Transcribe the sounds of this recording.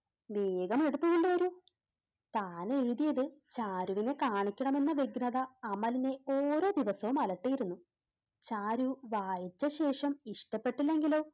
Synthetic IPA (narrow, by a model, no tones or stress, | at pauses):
ʋe̞ːɡɐme̞ɽut̪ːuɣoɳɖɨʋɐɾu | t̪aːneɻuðijɐðɨt͡ɕaːɾuʋine̞kaːɳikʲːɐɳɐme̞nːɐʋiɡɾɐðɐːmɐline̞oːɾo̞ːd̪iʋɐsɐʋumɐlɐʈːijiɾunːu | t͡ɕaːɾuʋaːjit͡ɕːɐɕe̞ːʂɐmiʂʈɐpːe̞ʈːilːe̞ŋɡilo̞ː